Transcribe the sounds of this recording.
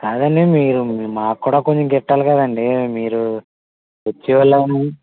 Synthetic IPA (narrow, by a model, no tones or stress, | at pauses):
kaːd̪ɐɳɖimiːɾumaːkːuːɽaːkoɲt͡ʃomkɛʈːaːlukɐd̪ɐɳɖimiːɾu | ʋot͡ʃːiʋalːani